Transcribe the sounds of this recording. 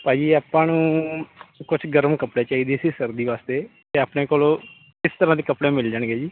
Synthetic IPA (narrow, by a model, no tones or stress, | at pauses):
pãːd͡ʒiːaːpãːnũː | kʊt͡ʃʰɡəɾəmkəpɽeːt͡ʃaːiːd̪eːsiːsəɾd̪iːʋaːst̪eːt̪eaːpneːkoːloː | kɪst̪əɾãːd̪eːkəpɽeːmɪld͡ʒaːɳɡeːd͡ʒiː